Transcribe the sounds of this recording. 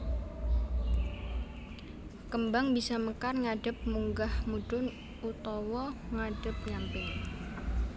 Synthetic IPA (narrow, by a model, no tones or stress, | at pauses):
kəmbaŋbisaməkarŋaɖ̥ə̤p̚muŋɡahmuɖ̥ʊn | ut̪ɔwɔŋaɖ̥əp̚ɲampɛ